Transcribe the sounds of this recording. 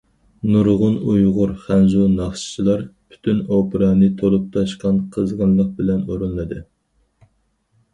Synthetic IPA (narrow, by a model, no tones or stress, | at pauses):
nuɾʁʊnujʁʊɾχænzunɑχʃt͡ʃʰilˠɑɾpʰy̥t̪ʰynopɨɾɑnɨt̪ʰolˠup̚t̪ʰɑʃqɑnqʰəzʁɑnlˠəq̚bɪlɛnoɾunlˠɨd̪ɨ